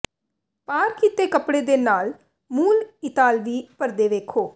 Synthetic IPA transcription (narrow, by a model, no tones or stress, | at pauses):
paːɾkiːt̪eːkəpɽeːd̪eːnaːl | muːlɪt̪aːlʋiːpəɾd̪eːʋeːkʰoː